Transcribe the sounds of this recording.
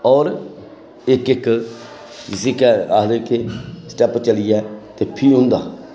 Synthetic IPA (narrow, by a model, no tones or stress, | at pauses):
ɔːɾ | ɪkɪk | d͡ʒɪseːkɛːaːd̪eːkeːsʈɛːpt͡ʃəlijɛːt̪eːpʰiːɦʊ̃nd̪a̰ː